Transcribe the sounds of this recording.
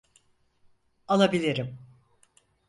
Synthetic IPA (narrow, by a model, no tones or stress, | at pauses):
anˠabilʲiɾim